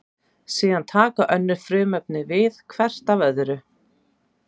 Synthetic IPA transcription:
siːðant̪ʰaːkaʔœnːʏɾ̥fɾʏːmœp̚nɪvɪðkʰvɛr̥t̪avœðʏɾʏ

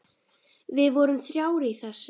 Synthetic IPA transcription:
vɪðvɔɾʏmθɾjaːwɾɪiθɛsː

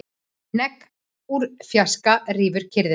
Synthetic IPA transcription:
nɛk | uɾfjaskariːvʏɾ̥cʰɪɾð

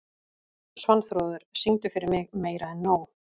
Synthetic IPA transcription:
svanːθɾoːwðʏɾ̥siŋt̪ʏfɪɾɪɾmɪɣmeːjɾaɛnːoːw

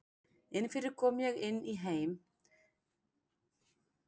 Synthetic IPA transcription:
ɪnfɪɾɪɾkʰɔːmjɛɣɪnːiɦeːjm

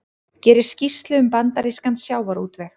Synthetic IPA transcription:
cɛːɾɪɾ̥scist̪lʏʏmpant̪aɾiskansjaːwvaɾuːt̪vɛx

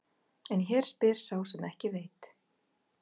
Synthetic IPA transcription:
ɛnçɛːɾ̥spɛːɾ̥saːwsɛmɛhcɪvejt̪

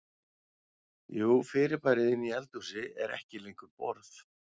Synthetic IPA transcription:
juːfɪːɾɪɾpaːjɾɪðɪnːiɛlt̪usɪɛɾɛ̰hcɪlejŋkʏɾpɔɾθ

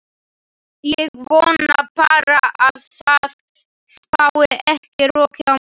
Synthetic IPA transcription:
jɛɣvownnapaːɾaʔaðθað | spawɪʔɛhcɪrɔːka

